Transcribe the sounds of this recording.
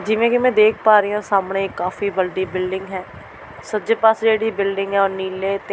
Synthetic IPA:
d͡ʒɪʋẽːkɪmɛ̃ːd̪eːkʰpaːɾijãːsaːmɳeːɪkːaːfiːbəɖiːbɪlɖɪ̃ŋɡɦɛː | səd͡ʒeːpasd͡ʒeːɽiːbɪlɖɪŋɡɦɛːoːɾniːleːt̪e

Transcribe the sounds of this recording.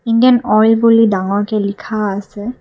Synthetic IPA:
indijanɔjlbulidaŋɔɹkɛlikʰaːsɛ

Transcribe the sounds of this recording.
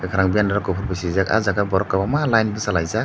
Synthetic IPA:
akʰaɾaŋbijanaɾakɔpʰuɾbisizaka̰zaɡabɔɾɔkːabamalajnbɯsalajza

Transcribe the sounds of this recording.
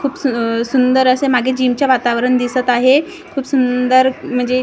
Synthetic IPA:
kʰuːpsusund̪əɾəsemaɡʱed͡ʑiːmt͡ɕjaʋat̪aʋɾəɳd̪isət̪aɦe | kʰuːpsund̪əɾm̤əɳd͡ze

